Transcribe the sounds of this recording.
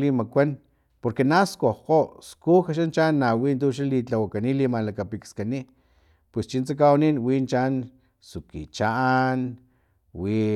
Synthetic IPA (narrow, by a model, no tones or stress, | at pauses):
limakʷan | poɾkenaskohqoskuxaʃ̬ant͡ʃaːnːawiːnt̪̬uʃ̬alit͡ɬawakanilimalakapikskani | pwest͡ʃint͡sak̬awaninwiːnt͡ʃan | sukḭt͡ʃaʔan | wi